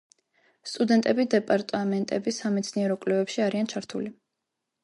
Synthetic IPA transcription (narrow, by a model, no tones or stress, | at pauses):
st̪ʼud̪ɛnt̪ʼɛbid̪ɛpʼaɾt̪ʼamɛnt̪ʼɛ̰bisamɛt̪sʰniɛɾɔkʼlɛvɛpʃiaɾiant͡ʃʰaɾt̪ʰuli